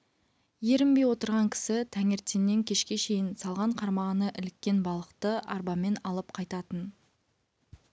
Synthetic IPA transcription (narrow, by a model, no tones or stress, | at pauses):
je̞ɾɪmbe̞jwo̞t̪əɾʁɑŋkʲʰɪ̥sɪt̪ʰæŋeɾt̪enːe̞ŋkʲʰe̞ʃkʲe̞ʃe̞jɪnsɑlˠʁɑɴqʰɑɾmɑʁənəʔɪlɪkʲːe̞nbɑlˠəqt̪əʔɑ̰ɾbɑme̞nɑlˠəp̚qʰɑjt̪ɑt̪ən